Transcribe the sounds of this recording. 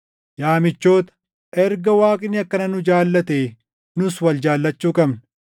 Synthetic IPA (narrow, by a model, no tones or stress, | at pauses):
jaːmɪt͡ʃːo̞ːt̪ɐ̥ | ʔɛɾɡɐwaːkʼɪnːɪɐkːɐnɐnʊd͡ʒaːlːɐt̪eː | nʊswɐld͡ʒaːlːɐt͡ʃːuːkʼɐbn